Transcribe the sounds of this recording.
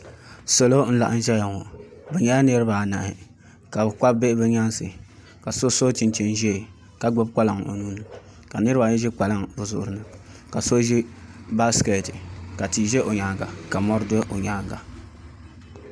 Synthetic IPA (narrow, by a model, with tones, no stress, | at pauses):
so˨lo˦n̩˦la̰˨ʔa̰˦n̩˦ʒɛ˦ja˨ŋo˨bɛ˨ɲɛ˦la˦nɨ˦ɾɨ˦ba˨na̰˨ʔɪ˨ | ka˨bɨ˨k͡pa˦bbe˦ʔbɨ˦ɲa˦sɨ˨ | ka˨so˦so˦t͡ʃi˨nt͡ʃi˦n˦ʒɛ˦˨ | ka˦ɡ͡bo˦b̚ka˦la˨ŋo̰˨nuː˦nɨ˨ | ka˨nɨ˦ɾa˨ɲɛ˦ʒɛ˦k͡pa˨la˦ŋbʊ˨zʊ˦ʔʊ˨ɾɨ˦nɨ˦ka˨so˦ʒɛ˦ba˦ske˨tɨ˨ka˨ti˨ʒɛ˦ʔo˨ɲaː˨˦˨ɡa˨ka˨mɔ˦ɾdo˦ʔo˨ɲa˦ɡa˨